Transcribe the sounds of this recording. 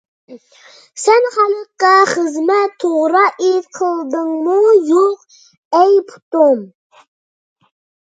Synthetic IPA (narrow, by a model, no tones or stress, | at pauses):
sɛnχɑləqːɑχəzmɛt̪ʰːoʁɾɑʔet̪qʰəlˠd̪ɨŋmujoq | ɛjpʰu̥t̪um